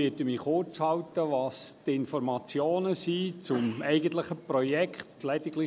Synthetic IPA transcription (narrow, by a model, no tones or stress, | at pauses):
iːtəmiːχʊt͡shɑwtəʋɑstɪnfɔɾmɑt͡sjoːnəsiːt͡sʊmɛɪɡəntləχəprɔjɛkχtlɛdɪɡlɪ